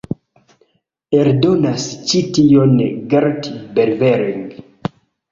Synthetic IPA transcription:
eɾdo̞nast͡ʃitionɡaɾtibeɾveɾiŋɡ

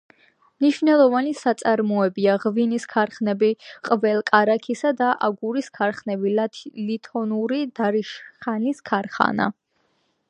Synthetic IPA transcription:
mniʃvnɛlˠɔvanisat̪sʼaɾmɔɛbiaʁviniskʰaɾχnɛbiqʼvɛlˠkʼaɾakʰisad̪aʔaɡuɾiskʰaɾχnɛbilt̪ʰlit̪ʰɔnuɾid̪̥aɾiʃχaniskʰaɾχa̰na̰

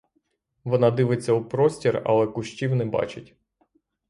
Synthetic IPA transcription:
ʋɔnɑd̪ɪʋɪt͡sʲːɐupɾɔsʲtʲirɐ̰lˠɛkʊʃt͡ʃʲiwnɛbɑ̰t͡ʃɪtʲ

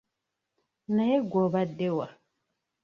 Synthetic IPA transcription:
najeɡɔːbadewa

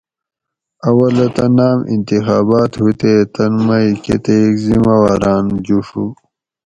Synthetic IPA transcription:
ɐwɐlɐt̪ɐnaːmḭnt̪ixaːbaːt̪hut̪et̪ɐnmaiket̪ekzimawaːɾaːnd͡ʑuʂu

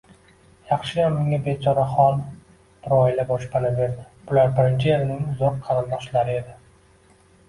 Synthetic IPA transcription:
jɑχʃɪjammɪŋabet͡ʃʰɒɾaχɒlˠ | b̥ʊɾɒɪlabɒʃpanave̞ɾd̪ɪ | b̥ʊlaɾbɪɾɪnt͡ʃʰɪelɪnɪŋʊzɒɾqʰːɑɾalmɒʃlaɾɪe̞d̪ɪ

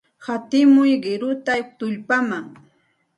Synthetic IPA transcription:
hat̪ɪmʊjɢɪɾʊt̪at̪ʊʎpamaŋ

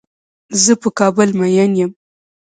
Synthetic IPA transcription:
zəpəkɑbəlmajanjəm

